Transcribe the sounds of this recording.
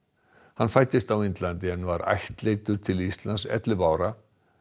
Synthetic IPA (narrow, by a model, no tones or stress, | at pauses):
hanfajt̪ɪst̪awint̪lant̪ɪɛnvaɾa̰jht̪leːjt̪ʏɾ̥t̪ʰɪlist̪lansɛ̰t̪lɪpaːwɾa